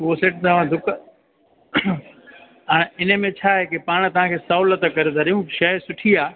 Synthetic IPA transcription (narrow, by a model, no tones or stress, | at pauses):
oːseːʈ̚t̪ɐʋ̤ãd̪ʱʊk | ɛ̃ːɪnə̆mẽt͡ɕʰaːɦekepaːɽ̃t̪ɐʋ̤ãkʰeːsɐʊlət̪kɐɾed̪ʱɐɾijũʃɐɦsʊʈʰiaː